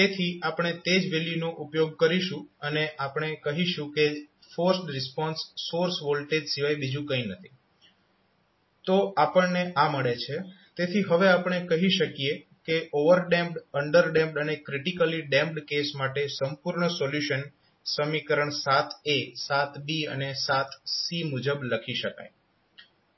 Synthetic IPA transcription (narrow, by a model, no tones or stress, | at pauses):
t̪et̪ʰiapɳ̃et̪ed͡ʒʋeljunoʔupjoɡ̚kəɾiʃũəneʔapɳ̃ekəɦiʃũke | fəɾsʈɾɪspɔnsːoɾsʋolʈeɖsiʋajbid͡ʒũkəĩnət̪ʰi̥ | t̪oʔapəɳneʔaməɭet͡ʃʰe | t̪et̪ʰiɦəʋeapɳ̃ekəɦiʃəkijekeʔoʋəɾɖɛ̃mpɖəɳɖəɾɖɛ̃mpɖənekɾiʈikəliɖɛ̃mp̚ɖkesmaʈesəmpuɾɳəsoljuʃən | səmikəɾəɳsat̪ʰesat̪ʰbiə̰nesat̪simud͡ʒəbləkʰiʃəka̰j